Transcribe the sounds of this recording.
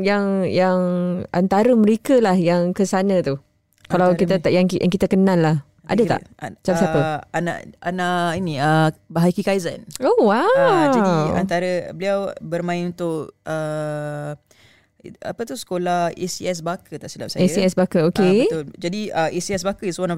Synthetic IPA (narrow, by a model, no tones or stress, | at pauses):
jaŋjaŋʔant̪aɾəməɾekəlahjaŋkəsanət̪u | kalawkit̪ət̪aʔjaŋjaŋkit̪əkənãlːah | ʔa̰dət̪a̰t͡ʃasaəana̰ʔanaʔiniəbaɦajkikajza̰nowad͡ʒa̰nt̪aɾəbəliawbərmãɪnunt̪ʊʔə | a̰pət̪usə̥kolahḭsiɛs̬bakʰət̪aʔsila̰p̚saisiɛsbakəoket̪ʊld͡ʒadiəisiɛs̬bakəiswan